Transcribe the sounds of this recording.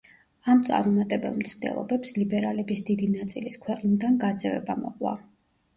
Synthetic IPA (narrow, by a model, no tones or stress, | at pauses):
amt̪sʼa̰vɾumat̪ʼɛbɛ̰lˠmt̪sʰd̪ɛ̰lˠɔ̰bɛpslibɛɾalɛbisd̪id̪inat̪sʼiliskʰwɛqʼnid̪anɡad̪zɛvɛ̰bamɔ̰qʼwa̰